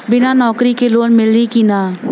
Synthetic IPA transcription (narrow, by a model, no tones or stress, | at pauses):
bɪnaːnɔːkɾikeloːnmɪlɾikinaː